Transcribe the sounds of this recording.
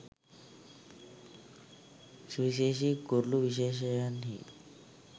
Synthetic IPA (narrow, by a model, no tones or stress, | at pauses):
siɕ̬eɕ̬iːkoɾluʋiɕ̬eɕ̬əjanɦḭ